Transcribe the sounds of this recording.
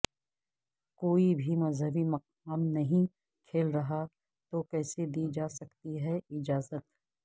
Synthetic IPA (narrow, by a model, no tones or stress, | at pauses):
koːibʱimɐzɦəbimɐq̚ | aːmnɐɦĩ | kʰeːlɾɐɦa | t̪okɛːsed̪iːd͡ʒaːsɐkt̪iɦɛɪd͡ʒaːzət̪